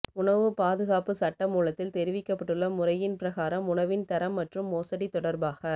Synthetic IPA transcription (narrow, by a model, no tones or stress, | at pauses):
ʊɳɐʋɯpaːðɯɣaːpɯsɐʈːɐmuːlɐt̪ːɪlt̪ɛɾɪʋɪkːɐpːɐʈːɯɭːɐmʊrɐjɪnpɪɾɐɣaːɾɐmʊɳɐʋɪnt̪ɐɾɐmːɐʈrɯmːoːsɐɽit̪ːɔɽɐɾbaːɣɐ